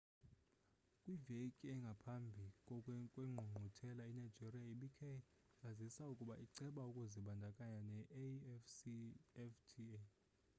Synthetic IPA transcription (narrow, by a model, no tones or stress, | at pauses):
kʼwivekʼiɛŋɡʱapʰambʱikʼɔkʼwɛŋ͡ǃʱuŋ͡ǃʱutʰɛlaɛnajd͡ʒiriaiɓikʰɛ | azisaukʼuɓaʔiǀɛɓaukʼuziɓandʱakʼaɲanɛʔ | ɛftʰi